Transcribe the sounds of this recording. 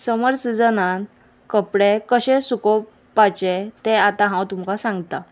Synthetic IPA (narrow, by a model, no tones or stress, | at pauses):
səməɾt͡sd͡zənan | kəpɽekəɕẽsuko | pat͡ɕet̪eat̪ãɦãwt̪umkasãŋɡt̪a